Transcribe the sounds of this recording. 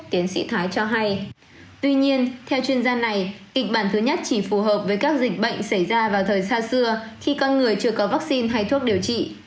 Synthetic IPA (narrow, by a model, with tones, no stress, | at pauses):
t̪i˨˦ənsḭ˧˥t̪ʰaː˨˦jt͡ɕɔ˧ɦa˧j | t̪wi˧ɲi˧ənt̪ʰɛ˧wt͡ɕwi˧ənzaː˧na˨˩jkï˨˩k̟̚ɓaː˧˩nt̪ʰɨ˨˦ɲə˦˥t̚t͡ɕi˧˩fu˨˩ɦəː˨˩p̚vəː˨˦jkaː˦˥k̚zï˨˩k̟̚ɓə̰˧˨jŋ̟sa˧˩jzaː˧vaː˨˩wt̪ʰəː˨˩jsaː˧sɨ˧əxi˧kɔ˧nŋɨ˨˩əjt͡ɕɨ˧˩əkɔ˨˦vaː˦˥k̚si˧nɦa˧jt̪ʰu˦˥ək̚ɗi˨˩əwt͡ɕḭ˧˨